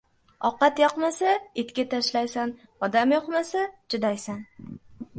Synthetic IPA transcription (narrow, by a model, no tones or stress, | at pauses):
ɒqɑt̪jɒqmasaet̪kʲat̪ʰaʃlajsan | ɒd̪amjɒqmasat͡ʃʰɪd̪ajsan